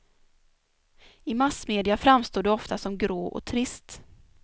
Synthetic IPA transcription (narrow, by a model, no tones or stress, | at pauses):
ɪmasmeːd̪ɪafɾamːst̪oːdɖɛɔft̪asɔmɡɾoːʔɔ̰t̪ʰɾɪst̪